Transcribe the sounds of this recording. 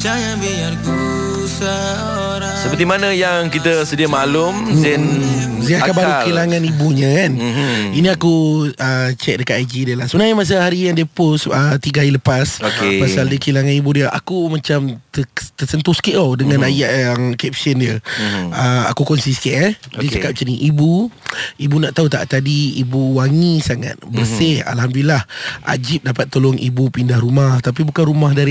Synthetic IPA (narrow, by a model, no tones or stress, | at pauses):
t͡ʃajabiaku | sa | oɾasəpət̪imanə̃jaŋkit̪əsədiəmalʊmɛnsiakabaɾukilaŋãnibuɲə̃kaninĩakuət͡ʃɛk̚dəkat̪ajd͡ʒidiəlasəənaɲmas̬ahaɾijaŋdiəpʊsət̪iɡailəpasokepasaldiəkilaŋanibudiəʔa̰kumat͡ʃamt̪t̪əsənt̪ʊhskiʔawdəŋãnajaʔjaŋkɛp̚səndiəəa̰kukɔnsiskʔədiət͡ʃakap̚t͡ʃəniʔibuibunaʔt̪aut̪a̰ʔt̪adiibuwaŋisaŋa̰t̪̚bərseha̰lhamdulilahʔa̰d͡ʒip̚dapat̪ːolɔŋʔḭbupindahɾumaht̪ap̬ibukanɾumahdaɾi